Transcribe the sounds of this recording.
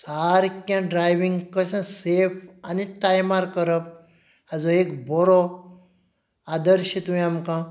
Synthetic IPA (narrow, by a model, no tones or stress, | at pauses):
saɾkjãɖɾajʋiŋɡkəsãsepʰaniʈajmaɾkəɾəp̚ | ad͡zoekbɔɾɔ | ad̪əɾʃit̪ũĩamkã